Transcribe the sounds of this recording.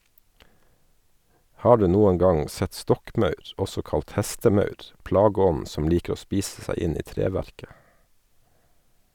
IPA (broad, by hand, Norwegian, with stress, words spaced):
ˈhɑː ˈɖʉː ˈnuːən ˈɡɑŋ ˈsɛt ˈstɔkˌmɑʉɾ ˈɔsɔ ˈkɑlt ˈhæstəˌmɑʉɾ ˈplɑːɡəˌɔnn̩ sm̩ ˈliːkɾ̩ ˈoː ˈspiːss̩ ˈsæɪ ˈɪn ˈiː ˈtɾeːʋæɾkə